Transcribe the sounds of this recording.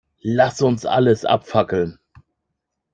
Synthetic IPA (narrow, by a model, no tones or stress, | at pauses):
lasʊnsʔa̰ləsʔa̰pfakl̩n